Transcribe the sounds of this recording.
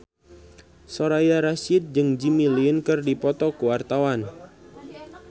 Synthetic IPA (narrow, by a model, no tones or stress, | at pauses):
sɔɾajaɾasid̪̚d͡ʒɨŋd͡ʒimilinkɨrdipɔt̪ɔkuwart̪awan